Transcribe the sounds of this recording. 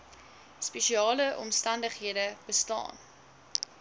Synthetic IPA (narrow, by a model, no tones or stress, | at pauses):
speʃiɑːləʔɔ̰mstɐndəχɦiədəb̥əstɑ̰ːn